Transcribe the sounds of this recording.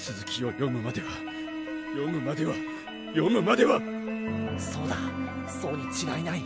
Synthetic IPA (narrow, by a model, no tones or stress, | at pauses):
sɨzɨkʲio̞jo̞mɯ̟mad̪e̞βa | jo̞mɯ̟mad̪e̞βa | jo̞mɯ̟mad̪e̞βa | so̞ːd̪asoːɲʲit͡ɕiɡainai